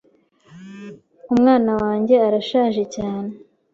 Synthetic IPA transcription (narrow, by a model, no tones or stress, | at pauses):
umŋaːnawaːɲɟe̞aɾaʃaːʒe̞caːne